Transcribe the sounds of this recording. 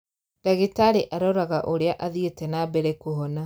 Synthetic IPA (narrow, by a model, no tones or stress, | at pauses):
d̥aɣitaɾeʔaɾɔɾaɣaʔoɾeaʔaðietɛnabɛɾekuɦɔna